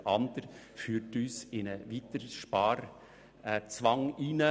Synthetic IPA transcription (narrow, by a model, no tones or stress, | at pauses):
ɑnd̪əɾ | fyːrtyːsɪnəʋit̪əɾʃpɑːɾ | t͡sʋɑŋinə